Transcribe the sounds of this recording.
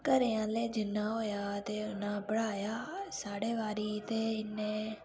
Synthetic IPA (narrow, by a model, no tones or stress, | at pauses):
kəɾeːãːleːd͡ʒɪnːãːɦoːjaːt̪eːʊnãːpəɽaːjaːsaːɽeːʋaːɾiːt̪eːɪnːẽː